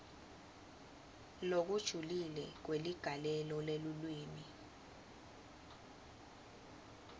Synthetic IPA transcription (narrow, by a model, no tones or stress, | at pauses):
lok̬ud̥ʒ̥ʱulilɛk̬weliɡ̥ʱalɛlɔlelulwiːmi